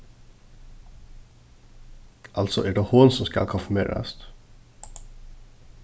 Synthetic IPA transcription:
ʔɑlsɔ̰ʔæːɖeːhoːnsɔmskɑ̰lkʰʊnfʉmḛːɾɑ̰st̪

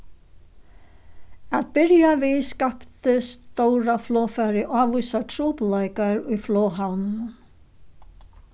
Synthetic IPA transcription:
aðpɪɾjavɪðskapt̪ʏst̪oːwɾaflɔːfaɾɪʔaːvujsat̪ʰɾuːplaːjkaɾʏfloːwɦawnʏ

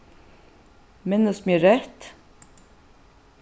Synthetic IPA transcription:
mɪnːəsmjəːɾɛht̪

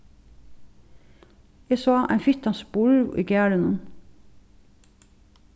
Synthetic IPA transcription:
eːsoːʔæ̰ɪfʏt̪ɑnsbʊɹʋʔḭːɡæːɽənən

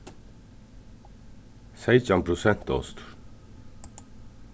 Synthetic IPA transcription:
sɛɪt͡ʃɑmpʰɾʊsɛn̥t̪ɔ̰st̪

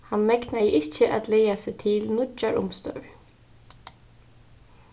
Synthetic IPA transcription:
hanmɛknajəʔɪt͡ʃːɪʔa̰d̪lɛːjasɪt̪ʰɪlnʊt͡ʃːaɹʊ̰mst̪œ̰ɹ

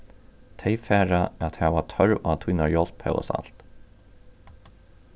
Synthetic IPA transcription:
t̪ʰeɪfɛːɹaat̪hɛːvat̪ʰœɹa̰t̪ʰiːnaɹjɔlphɛ̰ɔ̰sa̰l̥t̪

